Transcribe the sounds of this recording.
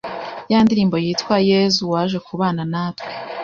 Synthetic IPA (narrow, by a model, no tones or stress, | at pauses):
jaːndiɾiːmbo̞jiːtwaje̞zuwaːʒwe̞kuβaːnanaːtwe̥